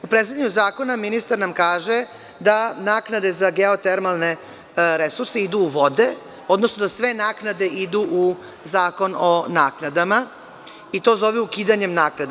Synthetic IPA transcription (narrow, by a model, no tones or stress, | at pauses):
upɾet̪saʎaɲuzaːko̞naminist̪aɾnamkaːʒe | d̪anaːknad̪ezaɡeot̪eɾmalˠne̞ | ɾesuɾse̞id̪uːʋo̞d̪e̞ | o̞d̪nosno̞d̪asʋe̞naːknad̪e̞ʔid̪uʔu | zaːko̞nonaːknad̪ama | it̪o̞ːzo̞ʋɛukiːd̪aɲe̞mnaːknad̪a